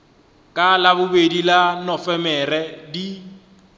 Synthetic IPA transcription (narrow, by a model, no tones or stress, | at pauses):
kʼalabʊbedilanɔfɛmɛrɛdi